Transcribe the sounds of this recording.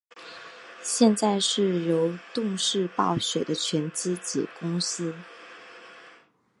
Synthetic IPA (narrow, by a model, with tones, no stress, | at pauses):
ɕjɛ˥˧nt͡sa˥˧ɪʂɻ̩˥˩jo˧˥ʊt̪ʊ˥˧ŋʂɻ̩˥˧pɑ˥˩ʊɕɥɛ˨˩d̪ə˦t͡ɕʰɥɛ˧˥nt͡ɕ̩˥t͡ɕjɛ̰˨˩kʊ˥ŋsɹ̩˥